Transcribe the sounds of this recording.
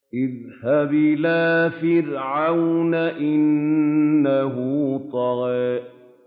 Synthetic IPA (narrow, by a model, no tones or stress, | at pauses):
ʔɪð | habɪlaːfɪɾʕawnaʔɪnː | aɦʊt̪ˤɑɣɛːʔ